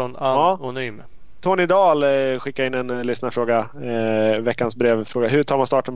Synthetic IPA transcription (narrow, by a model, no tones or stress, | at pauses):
naɑːnyːm | t̪ʰoːnɪd̪ɑːlɧɪkːaɪnːɛnlʏsnafɾoːɡa | vɛkːansbɾeːvfɾoːɡaɦɵʈʰɑːɾmanst̪ɑːʈɔm